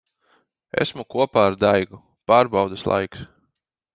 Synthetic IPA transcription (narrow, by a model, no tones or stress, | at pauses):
ḛsmukuɔpaːaɾd̪ajɡu | paːɾbɑwd̪aslˠa̰jks